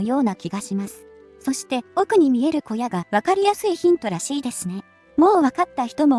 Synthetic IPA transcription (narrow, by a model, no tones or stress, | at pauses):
jo̞ːnakʲiɡaɕimasɨ̥ | so̞ɕi̥t̪e̞o̞kɯ̟ɲ̟imʲie̞ɾɯ̟ko̞jaɡaβakaɾʲijasɨiçĩnt̪o̞ɾaɕiːd̪e̞sɨne̞ | mo̞ːβakat̪ːaçi̥t̪o̞mo̞